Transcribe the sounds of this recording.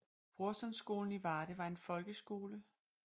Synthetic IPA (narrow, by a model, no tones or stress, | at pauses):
b̥ʁuɐsɒnsɡ̥o̝̰ːln̩iʋɑ̈ːɾ̥əʋɑ̈e̝nfɒ̽lɡ̥əsɡ̥o̝ːlə